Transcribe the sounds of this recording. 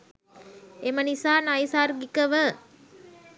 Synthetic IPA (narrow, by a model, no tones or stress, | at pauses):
emənisaːnajsarɡikəʋə